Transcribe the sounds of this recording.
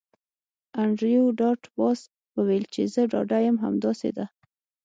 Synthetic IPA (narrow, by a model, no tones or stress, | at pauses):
aɳɖɾijoɖɑʈbɑs | wəwelt͡ʃezəɖɑ̰ɖajəmɦa̰md̪ɑsḛd̪a